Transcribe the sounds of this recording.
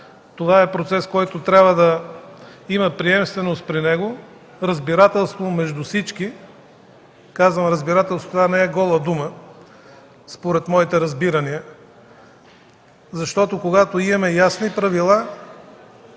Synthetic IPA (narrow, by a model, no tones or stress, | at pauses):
t̪ovaɛpɾot̪sɛskɔjt̪ot̪ɾʲabvəd̪ɐ | iməpɾiɛmst̪vɛnost̪̚pɾinɛɡo | ɾɐzbiɾat̪ɛlˠst̪vomɛʒd̪ufsit͡ʃki | kazvəmɾəzbiɾat̪ɛlˠsot̪ovanɛɛɡɔlˠəd̪umə | spoɾɛt̪mɔit̪ɛɾɐzbiɾɐniə | zɐʃt̪ɔt̪okoɡat̪oimɐmɛjasnipɾɐvilˠa